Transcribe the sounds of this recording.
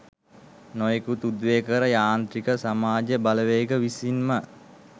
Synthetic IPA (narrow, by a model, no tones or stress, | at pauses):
nojekut̪ud̪ʋeːkəɾəjaːnt̪ɾikəsamaːd͡ʒəbaləʋeːɡəʋisinmə